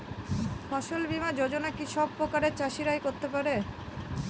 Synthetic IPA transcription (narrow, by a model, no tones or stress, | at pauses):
fʰɔʃolbimad͡ʑod͡ʑonakiʃɔb̚pːɾokaɾeɾt͡ɕaʃiɾajkoɾt̪epaɾe